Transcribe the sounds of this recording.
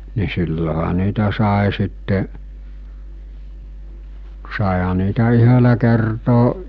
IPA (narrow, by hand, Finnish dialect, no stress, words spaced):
ni silːohɑ niːtæ sɑˑe sitːeʔ sɑˑehɑ niːtæ yhølæ kertoː